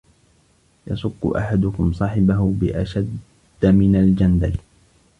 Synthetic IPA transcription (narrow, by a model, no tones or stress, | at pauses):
jɑ̰sˤʊqːʊ̰ʔa̰ħad̪ʊkʊmsˤɑːħɪbaɦʊbɪʔaʃad̪ː | mɪnald͡ʒand̪al